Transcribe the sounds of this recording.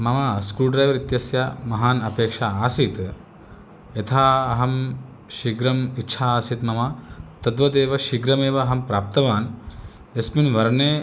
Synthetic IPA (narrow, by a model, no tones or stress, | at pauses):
mɐmaskuːlɖɾɐːjʋɐɾit̪jɐsjɐmɐɦaːnɐpeːkʂaaːsit̪ | jɐt̪ʰaːɐɦɐm | ʃiɡɾɐmitːʃʰaːaːsit̪mɐmɐt̪ɐd̪ʋɐd̪eːʋɐʃiɡɾɐmeːʋɐːɦɐmpɾaːp̚t̪ɐʋaːn | esminʋɐɾneː